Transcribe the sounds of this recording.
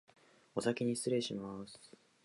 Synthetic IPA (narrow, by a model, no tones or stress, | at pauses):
o̞sakʲiɲ̟isɨɾe̞ɕimasɨ̥